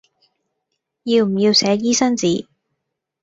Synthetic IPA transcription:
jiː˧wm̩˨˩ji˧wsɛː˨˧jiː˥sɐ˥nt͡siː˨˥

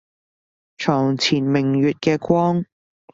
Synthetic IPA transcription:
t͡ʃʰɔː˨˩ŋt͡sʰiː˨˩nmɪ˨˩ŋɥyː˨t̚kɛː˧kʷwɔː˥ŋ

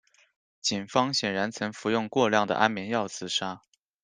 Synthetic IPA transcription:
t͡ɕi˨˩nfɑ˥ŋɕjɛ˨˩ɻa˧˥nt͡sʰɤ˧˥ŋfu˧˥jʊ˥˧ŋkwɔ˥˧ljɑ˥˩ŋd̪ə̰˩ʔa˥nmjɛ˧˥njɑ˥˩ʊt͡sʰɹ̩˨˩ʂa˥

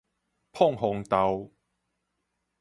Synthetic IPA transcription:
pʰɔ˥˨ŋɦʊ˨˩ŋt̪a˨˧˦w

